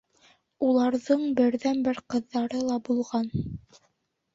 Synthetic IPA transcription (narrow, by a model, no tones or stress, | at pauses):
ulˠɑɾðɤɴbɘ̆ɾðænbɘɾqɤ̆ðːɑɾɤlˠɑbulˠʁɑn